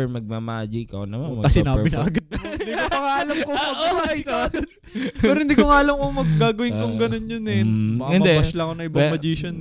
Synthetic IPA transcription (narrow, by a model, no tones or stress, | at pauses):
ɛmɐɡ̚mamad͡ʒɪkɐnɐmanmɐɐsɪnaːbɪnɐʔɐɡɐd̪̚ɐd̪ikopɐŋaːlɐmkomɐɡahɐjsad̪ɐt̪ | pɛːɾhɪnd̪iːkoŋaːlɐmkoŋmɐɡ̚ɡaːɡɐwɪnkoŋɡɐno̞njʊnɛbɐɪnmɐd̪ɛbɐslɐŋkonɐʔɪbaŋmɐd͡ʒiʃɐn